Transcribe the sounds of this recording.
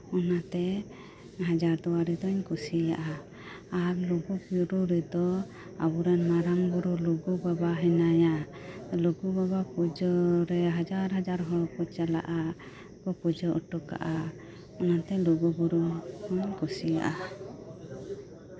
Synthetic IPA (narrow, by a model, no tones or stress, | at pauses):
ɔnat̪ɛ | ɦad͡ʒaɾd̪ɔwaɾɛd̪ɔɲkusija̰ʔa | aɾluɡubuɾuɾɛd̪ɔ | a̰buɾanmaɾaŋɡuɾuluɡubabaɦɛnajaluɡubabapud͡ʒɔɾɛɦad͡ʒaɾɦad͡ʒaɾɦɔpɔt͡ʃala̰ʔa | kɔpud͡ʒɔʔɔʈɔka̰ʔa | ɔnat̪ɛluɡubuɾuhɔɲkusija̰ʔa